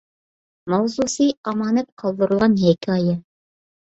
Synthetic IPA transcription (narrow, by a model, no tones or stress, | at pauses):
mɑwzusijɑmɑnɤp̚qʰɑlˠd̪ɤ̆ɾ̆lˠʁɑnhækɑjɤ